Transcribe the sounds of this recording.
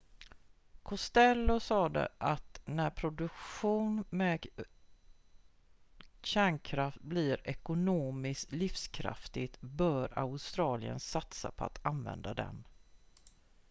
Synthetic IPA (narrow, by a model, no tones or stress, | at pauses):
kʰʊst̪ɛlːʊsɑːd̪ə̰ʔat̪næɾpʰɾʊd̪ɵkɧuːnmɛ | ɕæːɳkʰɾaft̪̚blɪɾɛkʊnoːmɪst̪lɪfskʰɾa̰ft̪ɪt̪bœːɾa̰ʊst̪ɾɑːlɪə̰nsat̪sa̰pʰɔa̰t̪anvɛ̰nd̪ad̪ɛ̰n